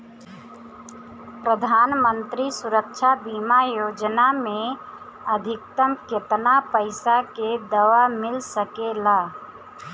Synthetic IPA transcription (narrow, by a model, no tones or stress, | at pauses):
pɾəd̪ʱaːnmənt̪ɾisuɾəkʃʰabiːmajoːd͡ʒnamẽ | əd̪ʱɪkt̪əmket̪napəɪsaked̪əʋamɪlsəkelaː